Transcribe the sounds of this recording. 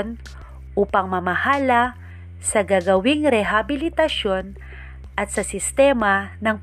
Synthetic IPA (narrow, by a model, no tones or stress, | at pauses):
n | ʔupɐŋmɐmɐhaːlɐ | sɐɡaːɡɐwɪŋɾɛɦabɪlɪt̪ɐʃo̞n | ʔɐt̪̚sɐsɪst̪ɛmɐnɐŋ